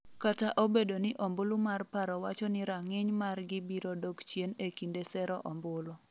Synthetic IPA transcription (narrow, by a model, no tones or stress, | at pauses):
kataʔobedonɪʔɔmbʊlumarpaɾɔwat͡ʃɔnɪɾaŋɪɲmarɡɪbiɾɔdokt͡ʃjenekindesɛɾɔʔɔmbʊlɔ